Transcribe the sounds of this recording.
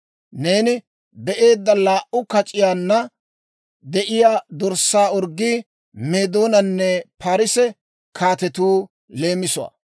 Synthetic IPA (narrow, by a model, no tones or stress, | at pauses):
ne̞ːnɪ | bɛʔe̞ːd̪ːɐlaːʔʊkɐt͡ʃʼɪjaːnːɐ | d̪ɛʔɪjaːd̪ɔɾsaːɔɾɡːiː | meːd̪o̞ːnɐnːɛpaːɾɪsɛ | kʰaːt̪ɛt̪uː | le̞ːmɪsʊwa̰